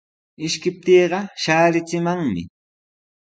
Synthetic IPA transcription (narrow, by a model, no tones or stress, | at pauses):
ɪʃkɪp̚t̪eːɢɑʃaːɾɪt͡sɪmaŋmɪ̰